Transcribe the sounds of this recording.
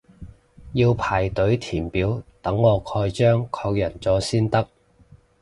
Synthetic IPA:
jiː˧wpʰaː˨˩jt̪ɵ˨˥ɥt̪ʰiː˨˩npiː˨˥wt̪ɐ˨˥ŋːɔː˨˧kʰɔː˧jt͡ʃœː˥ŋkʰɔː˧k̚jɐ˨˩nt͡sɔː˨˥siː˥nt̪ɐ˥k̚

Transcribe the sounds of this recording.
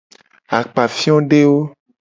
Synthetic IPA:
a˨k͡pa˨fi˦ɔ̃˦ɖe˦wo˦

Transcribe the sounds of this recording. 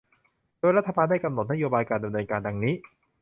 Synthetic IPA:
doː˧jɾa˥t̪ʰːa˧baː˧nda˥˩jka˧mno˨˩t̪̚na˦˥joː˧baː˧jkaː˧nda˧mnɤː˧nkaː˧nda˧ŋniː˦˥

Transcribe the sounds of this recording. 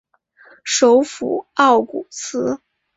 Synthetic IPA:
ʂo˧˥ʊfṵ˨˩˦ɑ˥˩ʊkṵ˨˩t͡sʰɹ̩˥

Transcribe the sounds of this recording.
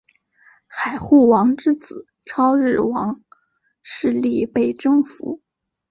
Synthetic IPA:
xa˨˩ɪxu˥˩wɑ˧˥ŋʈ͡ʂɻ̩˥t͡sɹ̩˨˩˦ | ʈ͡ʂʰɑ˥ʊɻɻ̩˥˩wɑ˧˥ŋ | ʂɻ̩˥˧li˥˧pe˥˩ɪʈ͡ʂɤ˥ŋfṵ˧˥

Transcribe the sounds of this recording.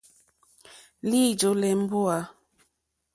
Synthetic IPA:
li˦˨d͡ʒo˨˦lɛ˨m̩˦bo˦a˨˦

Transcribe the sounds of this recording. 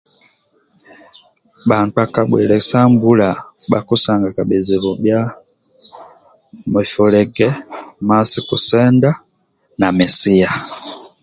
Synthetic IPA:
ɓa˨ŋk͡pa˨ka˨ɓwɛ̰˨lɛ˨sa˦mbu˦la˨ɓa̰˨ku˦sa˨ŋɡa˨ka˨ɓɛ˨zi˨βɔ˨bja˦ | mɛ˨fɔ˨lɛ˨ɡɛ˦ma˦si˨ku˨sɛ˦nda˦ | na˨mɛ˨si˦a˨

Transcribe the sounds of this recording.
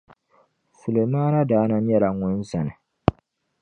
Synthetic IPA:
su˨le˨maː˦na˦daː˦na˦n˦jɛ˦la˨ŋʊ˨˦n˦sa˨nɪ˨

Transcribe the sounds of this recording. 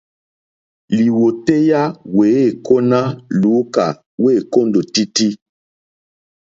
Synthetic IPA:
li˨wo˨te˦ja˦we˨˦e˦˨ko˦na˦lu˨˦ka̰˨ | we˦˨ko˦ndo˨ti˦ti˦

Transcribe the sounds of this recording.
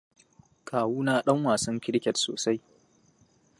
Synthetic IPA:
kʰaː˨wuː˦naː˦ɗɐ˦ŋwaː˨sɐ˦ŋkʲɪ˦ɽkʲɛ˨tso̰ː˨sa˦j

